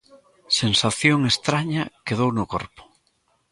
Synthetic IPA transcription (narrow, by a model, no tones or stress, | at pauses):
sensaθjoŋest̪ɾaɲɐkeðownʊko̰ɾpʊ̥